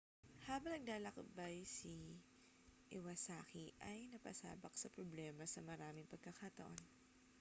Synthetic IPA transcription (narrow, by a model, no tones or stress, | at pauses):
haːbɐŋnɐɡ̚laːlɐkɐp̚bɐjsi | ʔɛwɐsaːkiʔɐjnɐpɐ̰sa̰ːbɐk̚sɐpɾoblɛːmɐsɐmɐɾaːmɪŋpɐɡ̚kːɐkɐt̪ɐʔo̞̰n